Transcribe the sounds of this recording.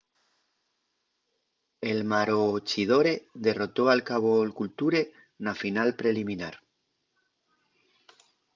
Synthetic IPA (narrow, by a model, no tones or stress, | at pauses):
e̞lmaɾot͡ʃið̞o̞ɾe̞ðe̞ro̞t̪o̞alkaβ̞olkult̪uɾe̞ | nafinalpɾe̞limĩnaɾ